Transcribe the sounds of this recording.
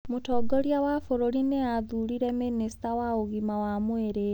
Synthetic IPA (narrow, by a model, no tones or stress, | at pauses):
mutɔːɡɔɾjawafoɾoɾineaðuɾiɾɛministawaoɣimawamweɾe